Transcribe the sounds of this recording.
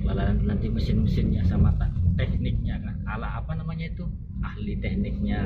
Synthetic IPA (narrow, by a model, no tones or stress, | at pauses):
ba̰laɾant̪unant̪iməsɪnməsɪnɲasamat̪at̪ɛh̚nɪk̚ɲakanala̰apanamaɲait̪u | ahlit̪ɛhnɪk̚ɲa